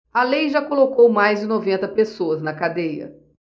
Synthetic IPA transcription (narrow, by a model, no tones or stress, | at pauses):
ɐlejʒakolokowmajzd͡ʒɪnovẽnt̪ɐpesoɐznɐkad̪ejɐ̰